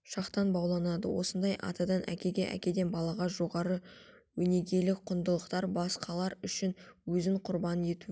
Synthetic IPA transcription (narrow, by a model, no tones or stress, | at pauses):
ʃɑqt̪ɑnbɑwlˠɑnɑd̪ə̰wʔo̞̰sənd̪ɑjʔɑ̰t̪ɑd̪ɑnʔæ̰kʲe̞ɡʲe̞ʔæ̰kʲe̞d̪e̞nbɑlˠɑʁɑʒo̞ʁɑɾə | wɵne̞ɡʲe̞lɪk̚qʰʊnd̪əlˠəqt̪ɑɾbɑsqɑlˠɑɾʏʃɪnwɵzɪŋqʰʊɾbɑnəe̞t̪u